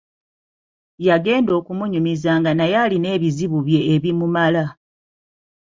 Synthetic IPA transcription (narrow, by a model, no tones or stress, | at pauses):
jaɡe̞ːndo̞ːkumuɲumizaŋɡanajaline̞ːβiziβuβje̞ːβimumala